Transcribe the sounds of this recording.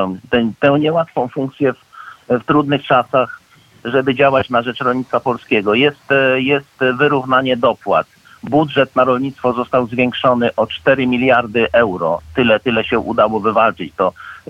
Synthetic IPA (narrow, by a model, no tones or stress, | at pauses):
t̪ɛt̪ɛ̃w̃ɲɛwat̪fɔ̃w̃fuŋkt̪sʲjɛfft̪ɾud̪nɘxt͡ʂasax | ʐɛbɘd͡ʑawat͡ɕnaʐɛt͡ʂɾɔlɲit̪t̪fapɔlskʲɛɡɔjɛst̪jɛst̪vɘɾuvnaɲɛd̪ɔpwa̰t̪ | budʐɛt̪naɾɔlɲit̪st̪fɔzɔst̪awzvʲjɛŋkʂɔnɘʔɔt͡ʂt̪ɛɾɘmʲilʲjaɾd̪ɘʔɛwɾɔ̰t̪ɘlɛt̪ɘlɛɕɛʔṵd̪awɔvɘvalt͡ʂɘt͡ɕt̪ɔ